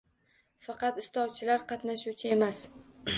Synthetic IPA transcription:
fɑqɑt̪ɪst̪ɒwt͡ʃʰɪlaɾqʰɑt̪naʃuwt͡ʃʰɪe̞mas

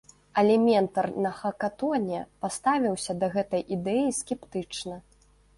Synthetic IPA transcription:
ɐlʲɛmʲɛnt̪ɐrnɐxɐkat̪ɔnʲɛpast̪avʲiwsʲɐd̪ɐɣɛt̪ɐjʔid̪ɛjiskʲɛpt̪ɨt͡ʂnɐ

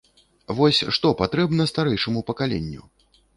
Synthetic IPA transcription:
vɔsʲʂt̪ɔpat̪ɾɛbnɐst̪aɾɛjʂɐmupɐkalʲɛ̰nʲːṵ

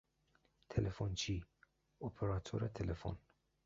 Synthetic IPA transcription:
t̪ʰelefont͡ʃʰi | opʰeɾat̪ʰo̰ɾɛt̪ʰelefo̰n

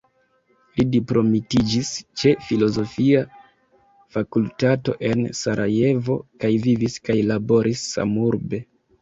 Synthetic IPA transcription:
lidipɾo̞mitid͡ʒist͡ʃe̞filo̞zo̞fia | fakultato̞̰ʔe̞nsaɾʔaje̞vo̞̰kajviviskajlabo̞ɾʔisːa̰muɾbe̞

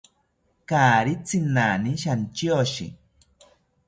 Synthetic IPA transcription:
kaːɾit͡sinaːniʃant͡ʃjoʃḭ

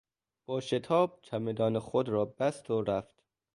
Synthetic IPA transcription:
b̥ɒːʃet̪ʰɒːb̥̚t͡ʃʰæmed̪ɒːnexod̪ɾɒːbæst̪ʰoɾæft̪

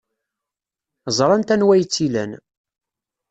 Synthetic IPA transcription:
zˤɾˤɑnt̪ænwæjət͡sːilæn

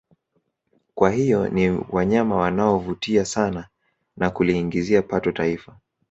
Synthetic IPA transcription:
kwahijɔniwaɲamawanaɔvutiasana | nakuliːŋɡiziapatɔtaifa

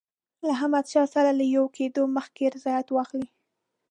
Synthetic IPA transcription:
laɦamad̪ʃɑsalalajowkʰed̪oməxkeɾɪzɑjat̪wɑxli

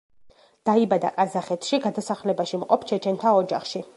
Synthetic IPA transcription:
d̪̥aibad̪a̰kʼazaχɛt̪ʰʃiɡad̪asaχlɛbaʃimqʼɔpʰt͡ʃʰɛt͡ʃʰɛnt̪ʰaɔd͡ʒa̰χʃi

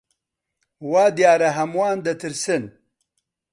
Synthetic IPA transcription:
waːd̪jaːɾɐɦɐmwaːnd̪ɐt̪ʰɨɾsɨn

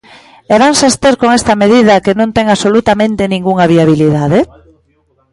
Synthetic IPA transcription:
eɾansast̪eɾkoŋest̪ɐmeðið̞ɐkenõnt̪ɛŋasolut̪amẽnt̪enĩŋɡuŋaβiaβ̞iliðaðe

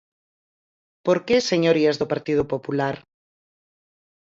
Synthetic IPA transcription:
poɾkeseɲoɾiazðopaɾt̪ið̞opopulaɾ

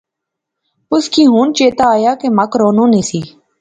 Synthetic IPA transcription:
ʊskiːɦuːnt͡ʃeːt̪aːaːjaːkeːməkɾoːnõːnẽːsiː

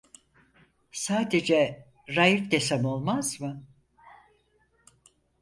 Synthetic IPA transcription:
saːd̪e̞d͡ʒɛ | ɾajifd̪esamo̞lˠmazmɯ

